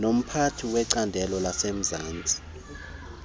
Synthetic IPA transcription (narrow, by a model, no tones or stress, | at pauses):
nom̩pʰatʰiwɛǀandʱɛlɔlasem̩zaːnd͡zʱʼi̥